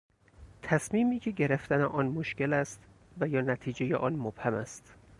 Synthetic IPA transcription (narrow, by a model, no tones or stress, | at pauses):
t̪ʰæsmiːmiːcʰe̞ɟe̞ɾeft̪æneʔɒːnmoʃce̞læst̪ | væjɒːnæt̪ʰiːd͡ʒejeʔɒːnmob̥hæmæst̪